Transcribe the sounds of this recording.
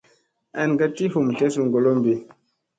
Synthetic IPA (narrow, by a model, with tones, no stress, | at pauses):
a˨nɡa˦ti˦ɦu˨m˨ɬe˦s̬u˨ŋɡo˨lo˦mbi˨